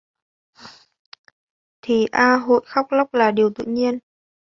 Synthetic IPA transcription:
t̪ʰi˨˩ʔaː˧ɦo̰˧˨jxa˦˥wk͡p̚la˦˥wk͡p̚laː˨˩ɗi˨˩əwt̪ɨ̰˧˨ɲi˧ən

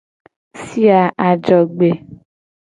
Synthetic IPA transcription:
si˦a˨ʔa˨d͡ʒɔ˨ɡ͡be˨

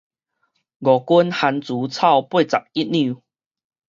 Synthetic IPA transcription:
ɡɔ˨˩ku˦nha˨˧nt͡su˨˦t͡sʰa˥˨wpwe˥˧˨t͡sa̰˨˩k̚i˦t̚nĩ˥˧˨

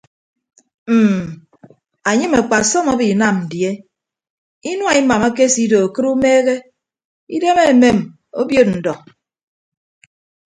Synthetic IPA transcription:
m̩˨ | a˨ɲɨ˦me˨k͡pa˨sɔ˦ma˦bi˨na˨mn̩˨dje˦ | i˦nwa˨i˦ma˨ma˦ke˦si˦do˨a˨kɨ˦ɾu˦meː˦ɣe˦ | i˦de˦me˦˨me˦˨m | o˦bjo˦t̚n̩˨dɔ˨

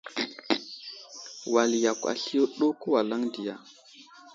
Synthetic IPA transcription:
wa˨lja˨kʷa̰˨ɬi˦jo˦ɗo˦ko˦wa˨la˦ŋdi˨ja˨

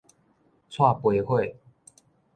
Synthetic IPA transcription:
t͡sʰwa˥˨pwe˨˦ɪxwe˥˨ɪ

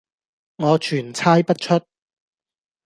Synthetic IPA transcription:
ŋɔː˨˧t͡ʃʰyː˨˩nt͡sʰaː˥jpɐ˥t̚t͡ʃʰɵ˥t̚

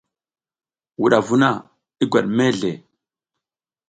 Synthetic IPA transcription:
wu˨ɗa˨vu˦na˦˨ | i˦ɡʷa˨ɗme˦ɮe˨

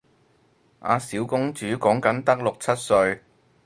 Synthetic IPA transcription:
a̰ː˨˧siː˨˥wkʊ˥ŋt͡ʃyː˨˥kɔː˨˥ŋkɐ˨˥nt̪ɐ˥k̚lʊ˨k̚t͡sʰɐ˥t̚sɵ˧ɥ

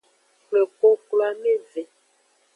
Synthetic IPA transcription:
kle˨ko˦kla˦me˦ve˨

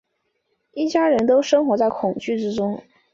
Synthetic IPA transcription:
i˥˩t͡ɕja˥ɻə˧˥nt̪o˥ʊʂɤ˥ŋxwɔ˧˥t͡sa˥˩ɪkʰʊ˨˩ŋt͡ɕy˥˩ʈ͡ʂɻ̩˥ʈ͡ʂʊ˥ŋ

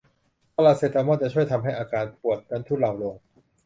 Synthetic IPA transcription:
pa˧laː˨˩t̪seː˧˩t̪aː˧mɔː˥˩t̪̚t͡ɕa˨˩t͡ɕʰu˥˩əjt̪ʰa˧mɦa˥˩jʔaː˧kaː˧npu˨˩ət̪̚ka˧˥nt̪ʰuː˥˩la˨˩wlo˧ŋ

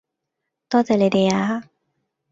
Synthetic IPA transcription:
t̪ɔ˥t͡sa˧˨le˧˨de˧a˧˦

